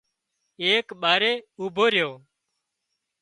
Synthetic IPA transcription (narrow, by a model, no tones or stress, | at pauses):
eːkɓaːɾeːuːbʱoːɾjoː